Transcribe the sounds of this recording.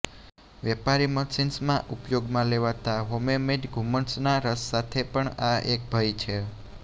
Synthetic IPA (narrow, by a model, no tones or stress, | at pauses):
ʋɛpaɾiməsinsmãʔupjoɡmãleʋat̪aɦomemeɖɡʱuməɳsnaɾəsːat̪ʰepəɳaek̚bʱəjt͡ʃʰe